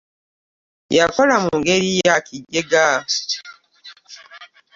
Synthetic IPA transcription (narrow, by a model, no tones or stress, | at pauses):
jakɔlamuŋɡeɾijakʰiɟeɡa